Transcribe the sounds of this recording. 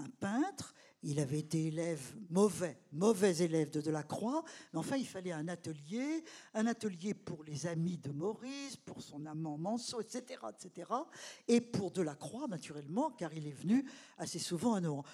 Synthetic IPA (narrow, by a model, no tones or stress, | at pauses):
ɛ̃pɛ̃t̪χ | ilavɛet̪eelɛvmɔvɛmɔvɛzelɛvd̪əd̪əlakχwameɑ̃fɛ̃ilfalɛɛ̃nat̪əljeɛ̃nat̪əljepuʁlezamid̪əmɔʁispuʁsɔ̃namɑ̃mɑ̃soɛt̪set̪eʁa̰ɛt̪set̪eʁaepuʁd̪əlakχwanat̪yʁɛlmɑ̃kaʁilɛvənyasesuvɑ̃anɔɑ̃